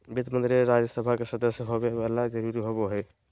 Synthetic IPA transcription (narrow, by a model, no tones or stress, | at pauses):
bit̪mənd̪ɾeɾad͡ʒəsəbʱakesəd̪əsjəɦobebalad͡ʒəɾuɾiɦobeɦɛj